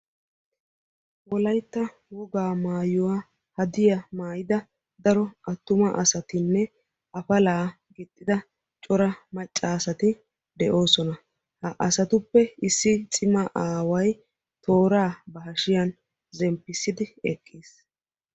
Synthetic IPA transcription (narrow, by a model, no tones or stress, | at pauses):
wɔlɐjt̪ːɐ | wɔɡaːmaːjʊwa | hɐd̪ɪjɐmaːjɪd̪ɐ | d̪ɐɾɔɐt̪ːʊmɐʔɐ̰sɐt̪ɪnːɛ | ʔɐfɐlaː | ɡɪt̪ʼːɪd̪ɐ | t͡ʃʼɔɾɐmɐt͡ʃʼːaːsɐt̪ɪ | d̪ɛʔo̞ːsɔnɐ | hɐʔɐsɐt̪ʊpːɛɪsːɪt͡sʼɪmɐʔaːwɐj | t̪ʰo̞ːɾaːbɐɦɐʃɪjɐn | zɛmpːɪsːɪd̪ɪɛkʼːiːs